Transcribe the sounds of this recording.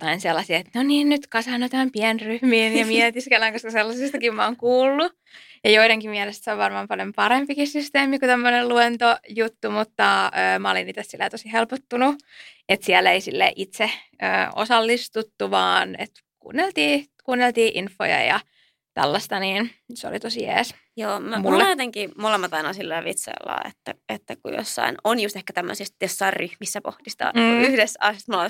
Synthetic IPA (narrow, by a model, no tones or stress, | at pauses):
jot̪ɑinselːɑsiːet̪noniːnnyt̪kɑsɑnːot̪ææmpiænryhmiːnjɑmiet̪iskelːæŋkoskɑselːɑsist̪ɑkimmɑoːŋkuːlːu | jɑjoiɾeŋkimmiɛlest̪soʋʋɑrmɑːmpɑljompɑɾempikissyst̪eːmikut̪æmːonelluent̪ojut̪ːumut̪ːɑøːmɑoliniːt̪æssilːḛːt̪osihelpot̪ːunuet̪siælːeisilːḛʔit̪seø̰ːo̰sɑlːist̪ut̪ːuʋɑːnḛt̪ | kṵːnːelt̪iːkuːnːelt̪iːʔinfːo̰jɑ̰jɑ̰ | t̪æ̰lːɑst̪ɑniːnseo̰lit̪osijḛːs | joːmæmulːjot̪eŋkimolemːɑt̪ɑinɑsilːæʋit̪sɑ̰ḭlːɑ̰ːḛt̪ːæet̪ːækṵjo̰sːɑ̰inonjust̪ehkæt̪æmːø̰sist̪josːɑirryhmisːæpo̰ht̪ist̪ɑ̰ːyhdesɑ̰sst̪molɑ